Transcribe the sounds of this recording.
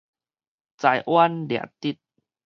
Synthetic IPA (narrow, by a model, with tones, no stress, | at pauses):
t͡sa˨˩jʔwa˦ndja̰˨˩t̪i˦˩t̪̚